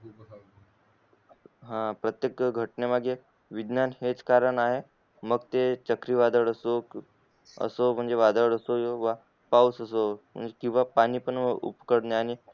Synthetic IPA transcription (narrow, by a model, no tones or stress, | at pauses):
ɦãpɾət̪jekɡʱəʈnemaɡe | ʋid̪nanhet͡skaɾəɳaɦe | məɡt̪et͡ɕəkɾiːʋad̪əʋəɽəso | ə̰som̤əɳd͡zeʋad̪əʋəɽəsojoʋa | pausəsom̤ə̰ɳd͡zekĩw̃ʋapaniːpəɳṵpkəɽneaɽ̃i